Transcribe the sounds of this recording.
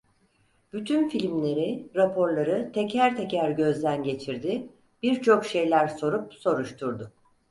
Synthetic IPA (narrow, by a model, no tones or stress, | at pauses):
b̥yt̪ʰynfilʲmlʲe̞ɾiɾapʰo̞ɾlˠaɾɯt̪ʰecʰæɾt̪ʰecæɾɟø̞zd̪ænɟe̞t͡ʃʰiɾd̪ɪ | b̥iɾt͡ʃʰo̞kʃe̞jlʲæɾso̞ɾup̚so̞ɾuʃt̪ʰuɾd̪ʊ